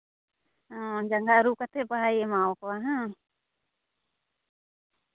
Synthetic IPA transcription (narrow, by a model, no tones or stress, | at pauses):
ɔ̃d͡ʒaŋɡaʔɾukat̪ʰɛbaɦajɛmawkɔaɦã